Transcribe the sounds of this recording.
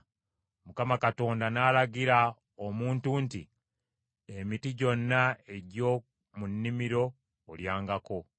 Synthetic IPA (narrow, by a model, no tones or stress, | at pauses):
mukamakato̞ːndanaːlaɡiɾa | omuːntuːnti | emitiɟo̞nːae̞ɟo̞ː | munːimiɾo̞ː | ljaːŋɡako̞